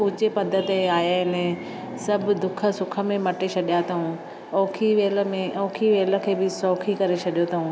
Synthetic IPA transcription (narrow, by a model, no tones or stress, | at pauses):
ʊt͡ɕepɐd̪ʱət̪eaːjaɦɪnɛ | sɐb̆ʱd̪ʊkʰə̆sʊkʰə̆mẽmɐʈet͡ɕʰɐɗijat̪ʰɐɦũ | ɔːkʰiʋeːlə̆mẽʔɔːkʰiʋeːlə̆kʰeːbɪsɔːkʰikɐɾet͡ɕʰɐɗijot̪ʰɐɦũː